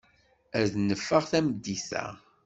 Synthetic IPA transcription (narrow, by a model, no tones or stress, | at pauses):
æðnəfːəʁθæmd̪ːiθæ̰